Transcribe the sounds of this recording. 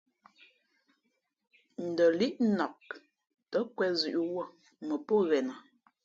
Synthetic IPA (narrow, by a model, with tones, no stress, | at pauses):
n̩˨də˨li˦ʔnɔ˨k̚ | tə˨˦kwɛ˦zʉ˨ʔwo˦˨ | mə˨po˦˨ɣɛ˨na˨